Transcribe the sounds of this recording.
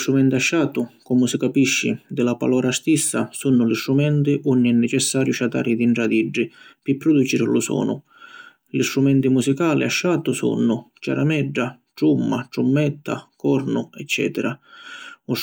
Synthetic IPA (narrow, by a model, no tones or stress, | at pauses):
st̪ɾumɛnt̪iaʃːaːt̪ʊkɔmʊsɪkapiʃːḭd̪ɪlapa̰lɔːɾast̪isːasunːʊlist̪ɾumɛnt̪ɪʔunːiɛnːɛt͡ʃɛsːaːɾjʊʃat̪a̰ːɾɪd̪iɳʈɾad̪iɖːipɪpːɾɔd̪ut͡ʃiɾlʊsɔ̰ːnʊ̰ | list̪ɾumɛnt̪imusikaːliaʃːaːt̪ʊsṵnːʊt͡ʃa̰ɾa̰mɛɖːaʈɾumːaʈɾumːɛt̪ːa̰kɔɾnʊɛt͡ʃːɛ̰ːt̪ɛɾa | u